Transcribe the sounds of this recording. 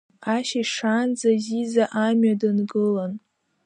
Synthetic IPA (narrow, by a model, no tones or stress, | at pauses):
aʃaʂand͡zazizaʔamɥadɨnɡɨlan